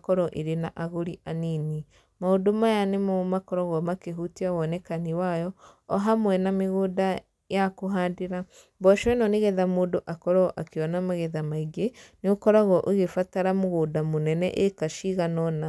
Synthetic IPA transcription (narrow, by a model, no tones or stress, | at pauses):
kɔɾɔʔeɾenaʔaɣoɾiʔanini | maodomajanemɔmakɔɾɔɣɔmakeɦutiawɔnɛkaniwajɔː | ɦamwɛnameɣoda | jakoɦadeɾa | bɔʃwɛnɔneɣɛðamoːdoʔakɔɾɔʔakeɔnamaɣɛðamaiɡeneokɔɾaɣɔʔeɣefataɾamoɣodamonɛnɛ̰ʔekaʃiɣanɔna